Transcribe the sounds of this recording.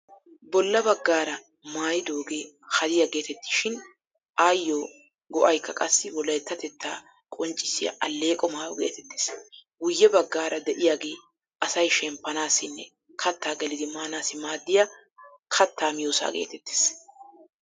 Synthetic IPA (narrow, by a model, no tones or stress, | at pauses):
bɔlːɐbɐɡːaːɾɐ | maːjɪd̪o̞ːɡe̞ː | hɐd̪ɪjɐɡe̞ːt̪ɛt̪ːɪ̥ʃɪn | aːjːoː | ɡɔʔɐjkːɐkʼɐsːɪwɔlːɐjɛt̪ːɐt̪ɛt̪ːaː | kʼɔnt͡ʃʼɪ̥sɪjɐ̰ʔɐlːe̞ːkʼɔmaːjɔɡḛːt̪ɛt̪ːɪ̥sɡʊjːɛbɐɡːaːɾɐd̪ɛʔɪjaːɡe̞ː | ʔɐsɐjʃɛmpːɐnaːsɪnːɛ̰ | kʰɐt̪ːaːɡɛlɪd̪ɪmaːnaːsɪmaːd̪ːɪja | kʰɐt̪ːaːmɪjoːsa̰ːɡḛːt̪ɛt̪ːe̥ːs